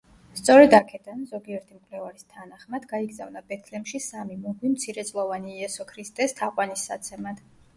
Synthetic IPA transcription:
st̪sʼɔɾɛd̪akʰɛd̪anzɔɡiɛɾt̪ʰimkʼwlɛvaɾist̪ʰanaχmad̪ɡaiɡzavnabɛt̪ʰlɛmʃisamimuɡwimt̪sʰiɾɛt̪sʼlˠɔvaniːɛsɔkʰɾist̪ʼɛst̪ʰaqʼwanisːat̪sʰɛmad̪̥

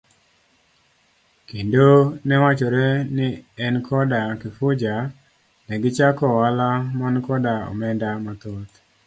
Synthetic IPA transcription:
kindonɛwat͡ʃoɾɛnɪɛnkʰɔdakɪfʊd͡ʒa | nɛɡɪt͡ʃakɔwalamankɔdaɔ̰mɛndamat̪ot̪

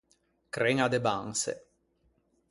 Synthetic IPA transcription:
kɾeŋad̪ebaŋsḛ

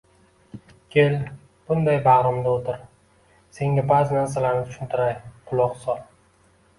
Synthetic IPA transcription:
kʲʰe̞l | b̥ʊnd̪ajbaʁɾɪmd̪aot̪ʰɪɾ | se̞ŋɡʲabaːzɪnaɾsalaɾnɪt̪ʰʊ̥ʃɪnt̪ʰɪɾajqʰʊlˠɒqsɒlˠ

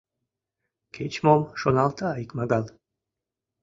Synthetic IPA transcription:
kʰet͡ʃmomʃonalˠt̪ʰaːikmaɡalˠ

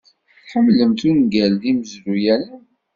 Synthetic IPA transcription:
ħəmːləmt̪unɡælðiməzlujælən

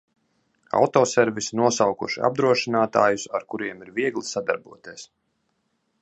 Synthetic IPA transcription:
a̰wt̪ɔːsɛɾvisinuɔsawkuʃia̰b̚d̪ɾuɔʃinaːt̪aːjusaɾkuɾiɛmiɾviɛɡlˠisad̪a̰ɾbuɔt̪iɛs

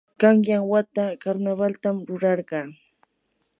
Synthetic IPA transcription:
kɑŋjaŋwat̪akaɾnaβalt̪amɾʊɾɑɾɢɑː

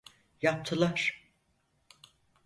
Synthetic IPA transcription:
jap̚t̪ʰɯlˠaɾ̥

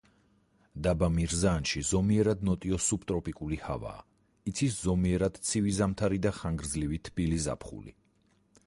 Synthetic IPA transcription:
d̪abamiɾzaːnʃizɔmiɛɾad̪̚nɔt̪ʼiɔsup̚t̪ʼɾɔpʼikʼuliha̰va̰ː | it̪sʰiszɔmiɛɾad̪̥t̪sʰivizamt̪ʰaɾid̪aχaŋɡɾd̪zlivit̪ʰb̥iliza̰pʰχṵlḭ

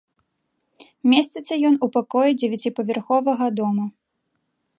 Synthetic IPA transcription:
mʲesʲt͡sʲɛsʲɐjɔnupakɔjid͡zʲɛvʲɛt͡sʲipɐvʲɛrxɔvɐɣɐd̪ɔmu

